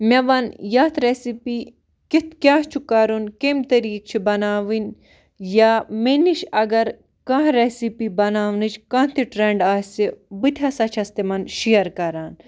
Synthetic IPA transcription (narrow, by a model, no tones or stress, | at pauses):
meʋɐnjaːt̪ʰɾesipiː | kit̪ʰkjaːɦt͡ʃʰukɐɾunkemt̪ɐɾiːk̚t͡ʃʰibɐnaːʋin | jameniʃɐɡɐɾ | kaɦɾesipibɐnaːʋnit͡ʃʰkãːt̪ʰiʈɾeɳɖaːsibit̪ʲʰɐsɐt͡ʃʰɐst̪imɐnʃijɐɾkɐɾaːn